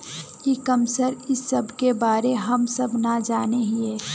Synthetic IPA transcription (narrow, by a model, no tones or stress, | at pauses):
kikɐmsəɾɪsːɐbʱkebaːɾeɦɐmsɐbnad͡ʒaːneɦieː